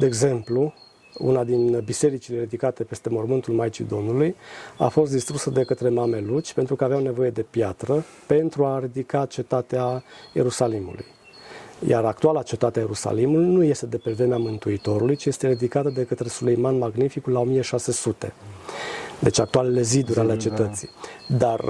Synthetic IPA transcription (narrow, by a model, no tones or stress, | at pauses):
d̪e̞ːɡze̞mplu | ṵnad̪inbise̞ɾit͡ʃile̞ɾid̪ikat̪e̞pe̞st̪e̞mormɨnt̪ulmajt͡ʃḭd̪o̞mnuluja̰fo̞st̪̚d̪ist̪ɾusəd̪e̞kət̪ɾe̞mame̞lut͡ʃʲpe̞nt̪ɾukəaveawne̞vo̞je̞d̪e̞pjat̪ɾə | pe̞nt̪ɾuaɾid̪ikat͡ʃe̞t̪at̪eaje̞̰ɾusalimṵlṵj | ja̰ɾak̚t̪ualat͡ʃe̞t̪at̪eaje̞ɾusa̰limulujnuje̞st̪e̞d̪e̞pevemeamɨnt̪uit̪o̞ɾulujt͡ʃijest̪eɾid̪ikat̪əd̪e̞kət̪ɾe̞sule̞jmanmaɡnifikulao̞mijeʃase̞sut̪e̞̰ | d̪e̞t͡ʃak̚t̪uale̞le̞zid̪uɾʲale̞t͡ʃe̞t̪ət̪sḭd̪ar